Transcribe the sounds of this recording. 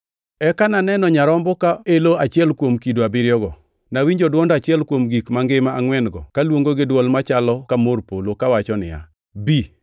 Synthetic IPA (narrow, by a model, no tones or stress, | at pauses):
ɛkananɛnɔɲaɾɔmbɔkaeloat͡ʃɛlkwomkidoabɪɾjɔɡɔ | nawiɲd͡ʒɔdwɔndat͡ʃɪɛlkwomɡikmaŋɡɪmaːŋwɛnɡɔkalwoŋɡoɡɪdwɔlmat͡ʃalɔkamorpolokawat͡ʃɔnɪ̰ja̰ | bi